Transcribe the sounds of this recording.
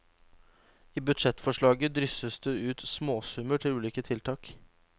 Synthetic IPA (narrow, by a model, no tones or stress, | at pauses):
iːbʉd̪ʂɛt̪ːfɔʂɭɑːɡəd̪ɾʏsəsd̪eːʉːt̪smoːsʉməʈʰɪlʉːliːkət̪ʰɪlt̪ʰɑːk